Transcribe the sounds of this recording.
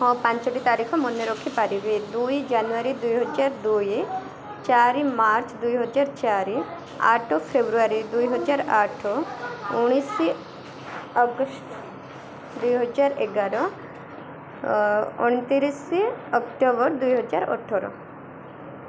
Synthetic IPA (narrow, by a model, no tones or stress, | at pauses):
ɦɔ̃pãɲt͡ʃɔʈit̪aɾikʰɔmɔnjɔɾɔkʰːipaɾibed̪ujd͡ʒanuaɾid̪ujɦɔd͡ʒaɾd̪uj | t͡ʃaɾimaɾt͡ʃd̪ujɦɔd͡ʒaɾt͡ʃaɾi | a̰ʈʰɔpʰebɾuaɾid̪ujɦɔd͡ʒaɾaʈʰɔuɽ̃isi | ɔɡɔsʈ | d̪ujɦɔd͡ʒaɾeɡaɾɔ | oɽ̃it̪iɾisiɔkʈɔbɔɾd̪ujɦɔd͡ʒa̰ɾɔ̰ʈʰːɔɾɔ̰